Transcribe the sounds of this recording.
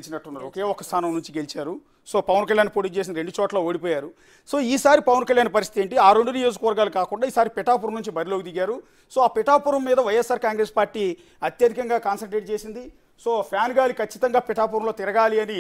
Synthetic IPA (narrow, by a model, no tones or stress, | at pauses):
t͡ʃinɐʈːunːaːɾuɔke̞ːɔkːɐst̪ʰaːnɐmnuɲt͡ʃiɡe̞lit͡ʃaːɾu | so̞ːpɐʋɐnkɐljaːnpoːʈiːt͡ʃeːs̬inɐɾe̞ɳɖut͡ʃɔːʈlɐoːɽipɔːjaːɾu | so̞ːiːsaːɾipɐʋɐnkɐljaːnpɐɾist̪it̪eːɳʈiaːɾeɳɖunijo̞ːd͡ʒukɐʋɐɾɡaːlukaːkuɳɖaːiːsaːɾipɛʈaːpuɾɐmnuɲt͡ʃibɐɾiloːɡud̪iɡaːɾu | so̞ːaːpiʈaːpuɾɐmːiːd̪ɐʋɐjesːaːɾkaːŋɡɾe̞ːspaːɾʈːiː | ɐt̪jɐd̪ʱikɐŋɡaːkaːnsɐʈɾeːʈ̚t͡ʃe̞ːsind̪i | so̞ːpʰjaːnɡaːlikʰɐt͡ʃːit̪ɐŋɡaːpiʈaːpuːɾɐmloːt̪iɾɐɡaːliɐni